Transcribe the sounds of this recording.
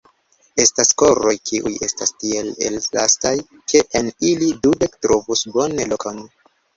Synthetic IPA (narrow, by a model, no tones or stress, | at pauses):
e̞stasko̞ɾo̞jkʰiʔṵje̞stastielḛllastaj | kʰe̞ʔenilidude̞ktɾovusbo̞nelokan